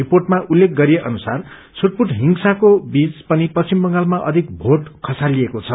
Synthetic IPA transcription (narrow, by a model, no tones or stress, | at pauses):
riporʈmaʔulːek̚ɡʌɾieʔʌnusar | t͡sʰuʈ̚puʈɦiŋsakobit͡spʌnipʌimbʌŋɡalmaʔʌd̪ʱik̚bʱoʈkʰʌsaliekot͡sʰʌ